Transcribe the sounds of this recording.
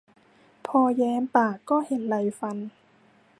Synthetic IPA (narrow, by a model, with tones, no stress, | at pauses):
pʰɔː˧jɛː˧˥mpaː˨˩kːɔː˥˩he˨˩˦nla˧jfa˧n